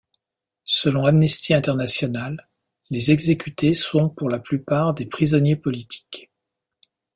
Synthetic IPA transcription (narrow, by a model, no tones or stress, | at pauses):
səlɔ̃lamnɛst̪ʰiɛ̃t̪ɛʁnasjɔnalː | ezɛɡzekʲyt̪esɔ̃puʁlaplypaʁd̪epχizɔnjepɔlit̪ʰi̥k